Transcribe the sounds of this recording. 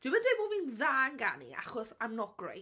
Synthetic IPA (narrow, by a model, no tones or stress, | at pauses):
d̥wɪmɛndweboːvinðaːnɡa̰nḭa̰χɔsamnɔɡ̥rḛj